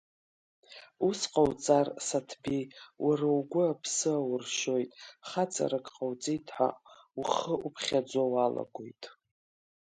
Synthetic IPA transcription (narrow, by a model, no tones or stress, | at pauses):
usqʼawt͡sʼarsatʰbijwʔarawɡʷʊapʰsɨawrʃo̞jtʼχat͡sʼa̰ɾakʼqʼawt͡sʼijtʰħa̰ | uχəupʰχʲad͡ʒʷowala̰ɡʷojtʼ